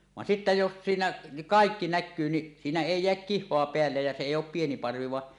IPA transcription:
ʋɑn sitːæ jos siːnæ niʔ kɑˑikːi nækːyː ni siːnæ eˑi jeæk kihˑoɑ peælːej jɑ se eˑij oˑp pieni pɑrʋi ʋɑ

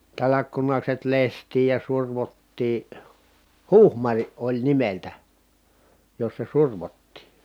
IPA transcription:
tɑlɑkːunɑkset lestˑiːj jɑ surʋotːiː huhmɑriʔ ʔolʲ nimeltæ josːɑ surʋotːiˑ

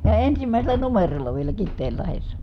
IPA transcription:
jɑ ensimæˑi̯selˑæ numerolːɑ ʋielæ kitːeːlːɑhesːɑ

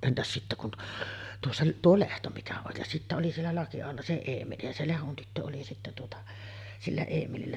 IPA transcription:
entæs sitːæ kun t tuosːɑ tuo lehto mikæ oj jɑ sitːæ oli sielːæ lɑkiɑholːɑ se eːmeli jɑ se lehon tytːø oli sitːæ tuotɑ silːæ eːmelilːæ

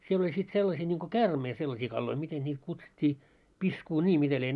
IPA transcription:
siel olʲ sit selːɑsiː nʲiŋko kæːrmei selːɑsiː kɑlːoi miten nʲiːt kutsutʲːiː piskuːnʲiː mitæ lie

